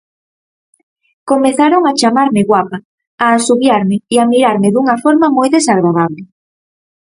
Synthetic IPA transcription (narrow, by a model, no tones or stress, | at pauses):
komeθaɾoŋat͡ʃamaɾmɪɣwapa | aːsuβjaɾmɪiamiɾaɾmɪðuŋɐfɔɾmamojðesaɣ̞ɾaðaβlɪ